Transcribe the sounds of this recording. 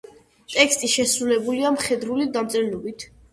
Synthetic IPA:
t̪ʼɛkst̪ʼiʃɛsɾulɛbuliamχɛd̪ɾulid̪amt̪sʼɛɾnɔbit̪ʰ

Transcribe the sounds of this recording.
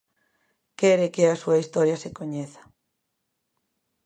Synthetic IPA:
kɛɾekeasuaist̪ɔɾjasekoɲeθḁ

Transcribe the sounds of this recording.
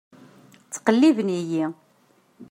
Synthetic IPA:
t͡sːqəlːivniji

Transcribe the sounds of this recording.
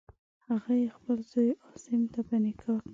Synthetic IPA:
haɣajexpəlzojɑsɪmt̪apənɪkʰɑk

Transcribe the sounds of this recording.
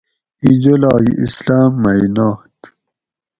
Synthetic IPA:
id͡ʑolɑːjḭʔḭslaːmːajnaːt̪

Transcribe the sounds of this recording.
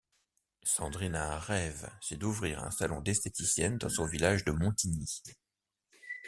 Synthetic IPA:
sɑ̃d̪ʁinaɛ̃ʁɛvsɛd̪uvʁiʁɛ̰̃salɔ̰̃d̪ɛst̪et̪isjɛnd̪ɑ̃sɔ̃vilaʒd̪əmɔ̃t̪ini

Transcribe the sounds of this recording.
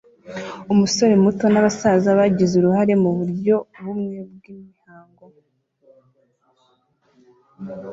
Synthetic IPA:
umuso̞ɾe̞muto̞naβasazaβaɟizuɾuhaɾe̞muβuɾɟo̞βumŋe̞b̚ɡiːmihaːŋɡo̞

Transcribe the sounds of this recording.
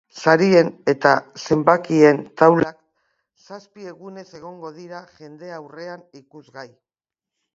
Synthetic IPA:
saɾie̞ne̞t̪ase̞mbakie̞nt̪awlak | saspie̞ɣune̞se̞ɣ̞o̞ŋɡo̞ðiɾaʝe̞nd̪e̞awre̞anikuzɣaj

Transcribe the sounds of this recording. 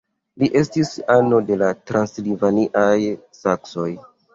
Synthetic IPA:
liʔe̞stisano̞de̞latɾanslivaniʔaj | sakso̞j

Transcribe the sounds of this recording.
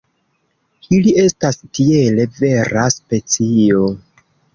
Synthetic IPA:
ilie̞stastie̞le̞ve̞ɾaspe̞t͡sio̞

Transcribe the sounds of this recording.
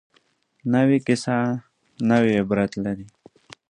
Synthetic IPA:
nawikɪsa | nawebɾat̪laɾi

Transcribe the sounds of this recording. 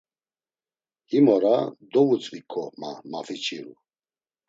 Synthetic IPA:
imɔɾad̪ɔvut͡sʼvikʰʼɔma̰mafit͡ʃʼiɾṵ

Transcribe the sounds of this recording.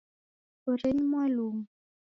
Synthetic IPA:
oɾɛɲmwaluŋ

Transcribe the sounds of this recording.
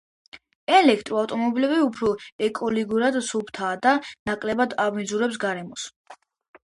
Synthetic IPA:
ɛlɛkʰt̪ʼɾɔaft̪ʼɔmɔbilɛbiupʰɾɔɛkʼɔliɡuɾad̪supʰt̪ʰaːd̪anakʼlɛbad̪avmizuɾɛps̬ɡaɾɛmɔs

